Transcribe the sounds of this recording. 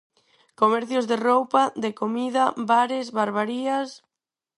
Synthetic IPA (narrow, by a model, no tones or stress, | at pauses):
komɛɾθjʊzðerowpaðekomiðɐbaɾɪsβaɾβaɾias